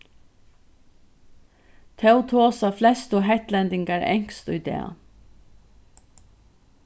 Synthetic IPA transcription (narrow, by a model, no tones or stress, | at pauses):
t̪ʰɛwt̪ʰoːsaflɛst̪ɔɦɛht̪lɛnd̪ɪŋkaɹɛ̰ŋ̥kst̪ʊjd̪ɛ̰ː